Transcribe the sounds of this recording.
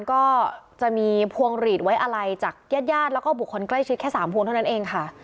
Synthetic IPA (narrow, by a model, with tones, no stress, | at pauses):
nkɔː˥˩t͡ɕa˨˩miː˧pʰu˧əŋɾiː˨˩t̪̚wa˦˥jʔa˧ɾa˧jt͡ɕaː˨˩k̚jaː˥˩t̪̚jaː˥˩t̪̚lɛ˦˥kɔː˥˩bu˨˩k̚ʰːo˧nkla˥˩jt͡ɕʰi˦t̪̚ʰɛ˥˩saː˩˦mpʰu˧ŋt̪ʰa˥˩na˦˥nʔeː˧ŋkʰa˥˩